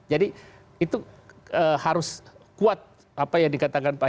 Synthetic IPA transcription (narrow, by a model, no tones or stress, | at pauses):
d͡ʒadi | it̪uəhaɾʊskuat̪̚ | ʔapajaŋdikat̪akanpa